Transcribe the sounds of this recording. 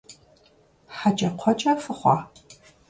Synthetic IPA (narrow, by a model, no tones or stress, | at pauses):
ħat͡ʃʼɐqʷʰɔt͡ʃʼɐfɨχʷɑ̰ː